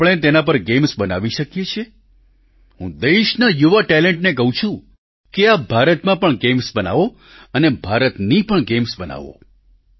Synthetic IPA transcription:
pɭ̃et̪enapəɾɡemsbəna̰ʋiʃəkjet͡ʃʰe | ɦũd̪eʃnajuʋaʈɛleɳʈnek̬əɦũt͡ʃʰũ | keabʱaɾət̪mãpəɳɡemsbəna̰ʋo | ənebʱaɾət̪nipəɳɡemsbəna̰ʋo̰

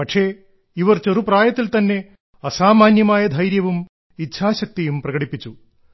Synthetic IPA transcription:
pɐʈʂe | iʋɐrt͡ɕerupraːjɐt̪ːilt̪ɐnːe̞ | ɐsaːmaːnjɐmaːjɐd̪ʱɐjɾjɐʋum | itːɕʰaːɕɐk̚t̪ijumprɐɡɐɽipːit͡ɕːu

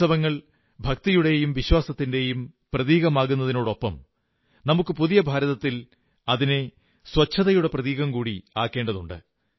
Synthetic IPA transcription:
ɐʋɐŋːɐɭ | bʱɐk̚t̪ijuɽe̞jumʋiɕwaːsɐt̪ːinde̞jumprɐðiːɣɐmaːɣunːɐðino̞ːɽo̞pːɐm | nɐmukːɨpuðijɐbʱaːɾɐðɐt̪ːil | ɐðine̞ | swɐt͡ɕʰːɐðɐjuɽe̞prɐðiːɣɐmkuːɽiaːkːe̞ːɳɖɐðuɳɖɨ̰

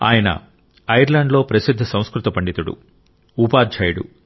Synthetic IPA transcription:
a̰ːjɐnɐ̰ | ɐjɐɾlɐːɳɖlo̞ːpɾɐsid̪ʱːɐsɐ̃w̃skɾut̪ɐpɐɳɖit̪uɽṵ | upaːd͡ʒʱɐjɽṵ

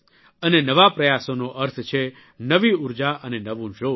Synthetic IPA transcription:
ənenəʋapɾəjasonoʔəɾt̪ʰt͡ʃʰe | nəʋiuɾd͡ʒaʔənenəʋũd͡ʒo

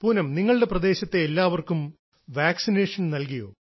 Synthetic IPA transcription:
puːnɐmniŋːɐɭɨɽe̞prɐd̪e̞ːɕɐt̪ːe̞ːlːaːʋɐrkum | ʋaːksine̞ːʂɐnnɐlkɐjo̰ː

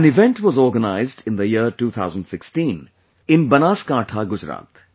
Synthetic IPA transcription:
ə̃nɪʋɛ̃ɳʈʋɔzɔːɾɡənaɪzdɪ̃nd̪əjiɾʈuːt̪ʰaʊzə̃nɖsɪksʈĩːn | ɪ̃nbɐnaːskaːʈʰaɡʊd͡ʒɾa̰ːt̪

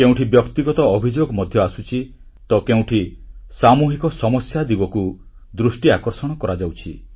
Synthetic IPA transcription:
keũʈʰibjɔkt̪iɡɔt̪ɔːbʱid͡ʒoɡɔmɔd̪ʱjɔasut͡ʃʰi | t̪ɔkeũʈʰisamuɦikɔsɔmɔsjad̪ibɔku | d̪ɾusʈiakɔɾsɔɽ̃ɔkɔɾad͡ʒawt͡ʃʰi

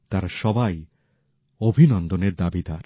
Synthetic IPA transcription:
t̪aɾaʃɔbaj | obʱinɔnd̪oneɾd̪abid̪aɾ

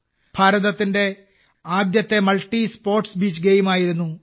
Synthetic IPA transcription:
b̥ʱaːɾɐðɐt̪ːinde̞ | aːd̪jɐt̪ːe̞mɐɭʈːispo̞ːrʈsbiːt͡ɕːɡeːjmaːjiɾunːu

